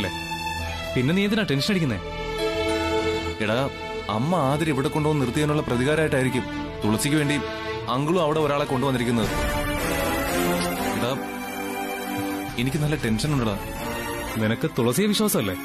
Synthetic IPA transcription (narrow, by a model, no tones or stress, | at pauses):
lːḛ | pinːeiːjɐt̪̬ːinaːʈe̞nɕʂɐneɽikʲːunːḛ | iɽaː | ɐmːɐaːðiɾɐiʋiɽekːoɳɖoːnnirt̪ːijaːnuɭːɐprɐðiɣaːɾɐmːaːjʈːaːjiɾikʲːum | t̪uɭɐrsikʲːuʋeːɳɖi | ɐŋɡɐɭumɐʋiɽe̞o̞ɾaːɭe̞ko̞ɳɖuʋɐnd̪iɾikʲːunːɐðɨ | iɽa | enikʲːɨnɐlːɐʈe̞nʂɐnuɳɖɐɽa | ninɐkːɨt̪uɭɐrsijɐʋiɕwaːsɐmɐlːe̞̰